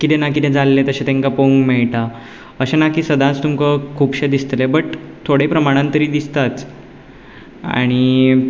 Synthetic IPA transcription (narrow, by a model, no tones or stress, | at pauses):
kit̪enakit̪ɛ̃d͡zalːet̪əɕẽt̪ẽŋkapəũŋkmɛɭʈa | əɕenakiːsəd̪at͡st̪umkəkʰuːpɕed̪ist̪lebəʈt̪ʰoɽ̤epɾəmaɽ̃ãnt̪əɾiːd̪ist̪at͡s̪ | a̰ɽ̃i